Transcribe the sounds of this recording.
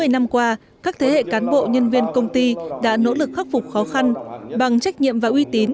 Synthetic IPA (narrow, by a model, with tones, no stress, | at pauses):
ɨ˨˩əjna˧mkwaː˧ | kaː˦˥k̚t̪ʰe˨˦hḛ˧˨kaː˨˦nɓo̰˧˨ɲə˧nvi˧ənkə˧wŋ͡mt̪i˧ɗa̰ː˧˥no̰˧˥lɨ˨˩k̚xa˦˥p̚fʊ˨˩k͡p̚xɔ˨˦xa˧nɓa˨˩ŋt͡ɕa˦˥jk̟̚ɲḭ˧˨əmvaː˨˩ʔwi˧t̪i˨˦n